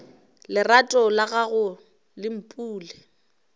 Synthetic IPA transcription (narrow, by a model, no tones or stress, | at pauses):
lɪratʼɔlaɣaɣʊ | lɪm̩pʼuːlɪ